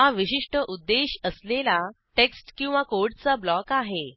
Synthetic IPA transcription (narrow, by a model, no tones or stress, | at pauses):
ɦaʋiɕiʂʈəʔud̪ːeɕəslela | ʈeksʈkĩw̃ʋakoɾʈt͡sablɔkaɦe